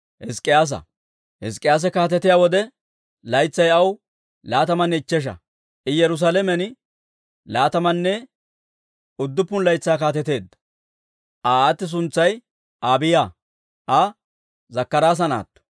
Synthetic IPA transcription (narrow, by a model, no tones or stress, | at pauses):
hɪskʼːɪjaːs̬ɐ̰ | hɛ̰s̬kʼːɪjaːs̬ɛkaːt̪ɛt̪ːɪjaːwɔd̪ɛ | lɐjt͡sːɐjɐw | laːt̪ɐmɐnːɛɪt͡ʃːɛʃ̬ɐ̰ | ʔɪjɛɾʊs̬aːlɛmɛn | laːt̪ɐmɐnːɛ | ʊd̪ːʊpːʊnlɐjt͡sːaːkaːt̪ɛt̪e̞ːd̪ːɐ̥ | ʔaːt̪ːɪs̬ʊnt͡sːɐj | ʔaːbɪjaː | ʔɐ | zɐkːɐɾaːs̬ɐna̰ːt̪ːɔ̥